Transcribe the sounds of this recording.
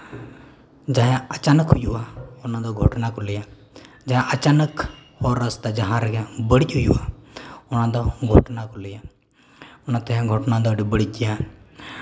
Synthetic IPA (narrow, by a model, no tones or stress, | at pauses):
d͡ʒaɦɛ̃ət͡ʃaːnəkɦʊjuaʊnãd̪ɔɡʱɔ̰ʈnakulija | d͡ʒaɦɛ̃ʔət͡ʃaːnəkhɔɾəst̪ad͡ʒaɦãɾɡɛbəɽicʲɦʊjṵaʊnãd̪ɔɡʱɔ̰ʈnakulija | ʊnat̪ɛɦɡʱɔʈnad̪ɔɖibəɽitʲja